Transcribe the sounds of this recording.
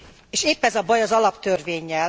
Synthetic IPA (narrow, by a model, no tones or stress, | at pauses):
eːʃeːpːɛzɒbɒjɒzɒlɒpt̪ørveːɲːɛl